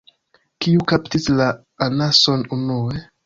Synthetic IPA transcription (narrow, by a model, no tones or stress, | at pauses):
kiukaptislaː | naso̞nunue̞